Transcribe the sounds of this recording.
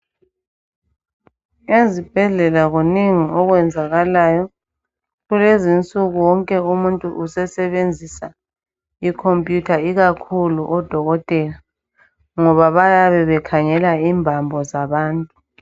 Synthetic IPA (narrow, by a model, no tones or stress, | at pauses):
ezib̥ʱɛɮɛlaɣuniŋiɔɣwɛnd͡zʱaɣalajɔ | ɣulezint͡sʼuɣuwɔŋkʼɛumuntʼuʔusɛsɛβend͡zʱisa | ikʰompʼjutʰaiɣakʰuluʔɔd̥ʱɔɣɔtʼɛːla | ŋɔβaβajaβɛβɛkʰaŋɛlaimbʱambʱɔzaβaːntʼu̥